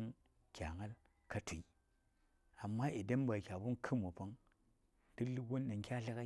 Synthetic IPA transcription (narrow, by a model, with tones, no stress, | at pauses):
n | kʲa˨ŋa˦l | ka˦tʰu˨i˨ | a˨mːa˦ʔi˨da˦m˦ba˨kʲa˨bu˦nkʰɨ˦mo˨pa˦ŋ | ti˦li˦ɡo˦nːa˨ŋ˦kʲa˦ɬa˦ka˦